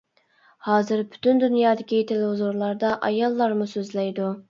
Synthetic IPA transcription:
hɑːzɪɾby̥t̪ʰynd̪ynjɑːd̪ɪkʲʰit̪ʰelɪɦuzuɾlˠɑɾd̪ɑʔɑjɑlˠːɑɾmusøzlɛjd̪u

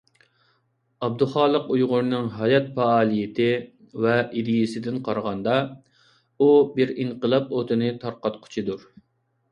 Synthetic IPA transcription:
ɑb̚d̪uχɑːlˠəqujʁʊɾnɨŋɦɑjɑt̪̚pɑɑːlˠijɪt̪ʰɪ | vɛʔid̪ɪjɪsɪd̪ɪnqʰɑɾʁɑnd̪ɑ | ubɪɾiɴqəlˠɑp̚ot̪ʰɨnɨt̪ʰɑɾqɑt̪qʰʊ̥t͡ʃʰid̪uɾ

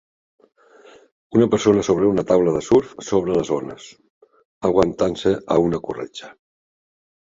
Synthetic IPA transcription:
unəpəɾsonəsoβɾəunət̪awləðəsuɾfsoβɾələzonə̰s | əɣwənt̪ansəʔə̰unəkurḛt͡ʃə̥

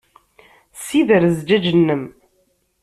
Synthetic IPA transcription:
siðəɾzd͡ʒæd͡ʒənːəm

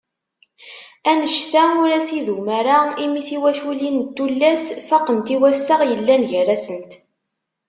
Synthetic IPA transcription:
ænəʃt̪æʊɾæsiðumæɾaimiθiwæʃulint̪ːulːæsfɑqənt̪iwæsaʁjəlːænʝəræsənt̪

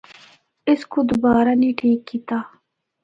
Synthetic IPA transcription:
ɪskud̪ʊbaːɾaniʈʰiːkːit̪aː

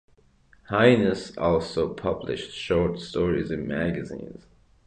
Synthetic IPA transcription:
haɪnɨsɔlˠsoʊpʰʌblɪ̰ʃtʃɔɹtstɔɹḭzɨ̃nmæɡɨzḭ̃ːnz̥

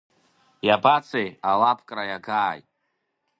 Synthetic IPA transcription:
jabat͡sʰʼejalapʰkʼɾajaɡaːjtʼ

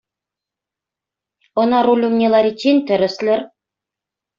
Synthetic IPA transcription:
ɤ̆nɑɾulʲumnʲelˠɑɾʲit͡ɕːenʲt̪ɘ̆ɾɘ̆slʲɘ̆r

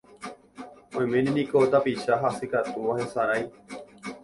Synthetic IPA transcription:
õj̃mẽnĩnĩkot̪apiʃaɦasɨkat̪uʋahesaɾaj

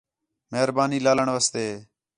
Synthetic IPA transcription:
meɦɾbaːniːlaːləɳʋaːst̪eː

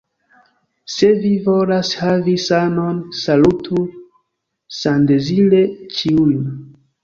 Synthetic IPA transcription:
se̞vivo̞lashavisano̞nsalutʰu | sandezilet͡ʃiun

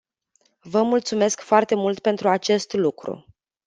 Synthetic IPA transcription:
vəmult̪sume̞skfoart̪e̞mult̪̚pe̞nt̪ɾuat͡ʃe̞st̪lukɾṵ

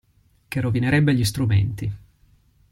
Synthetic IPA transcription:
kerovineɾɛbːeʎist̪ɾumḛnt̪i

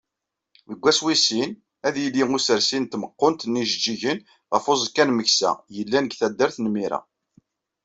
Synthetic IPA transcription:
wəɡʷːæswisin | æðjəljiŋusəɾsint̪məqːont̪nːiʒəd͡ʒːiʝən | ʁəfozˤkːænməçsæ̰jəlːænəɡθæd̪ːəɾθnmiɾæ̰

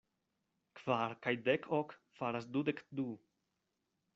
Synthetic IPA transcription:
kv̥aɾkajd̪ɛkʰɔkfaɾasd̪ud̪ɛkd̪u

